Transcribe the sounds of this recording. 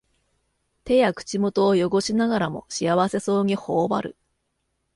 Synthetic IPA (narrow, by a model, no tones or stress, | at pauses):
t̪e̞jakɯ̟̥t͡ɕimo̞t̪o̞ːjo̞ɡo̞ɕinaɡaɾamo̞̰ɕiaβase̞so̞ːŋ̟iho̞ːba̰ɾɯ̟̰